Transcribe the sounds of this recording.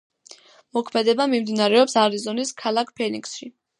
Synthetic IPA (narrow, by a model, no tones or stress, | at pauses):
mɔkʰmɛd̪ɛbamimd̪inaɾɛɔpsaɾizɔniskʰalˠakʰpʰɛniksʃi